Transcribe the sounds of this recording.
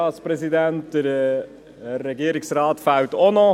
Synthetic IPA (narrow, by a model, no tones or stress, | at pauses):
ɑːspɾɛsidæntd̥əɾ | ɾɛɡiːəɾiksɾɑːtfawtonɔ